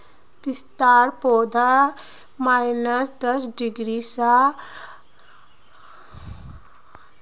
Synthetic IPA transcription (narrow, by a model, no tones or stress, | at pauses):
pist̪aɾpod̪ʱa | majnəsd̪əsɖiɡɾisa